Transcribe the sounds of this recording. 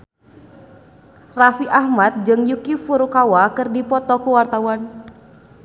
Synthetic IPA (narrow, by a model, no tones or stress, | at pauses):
rafiʔahmat̪̚d͡ʒɨŋjukifuɾukawakɨrdipɔt̪ɔkuwart̪awan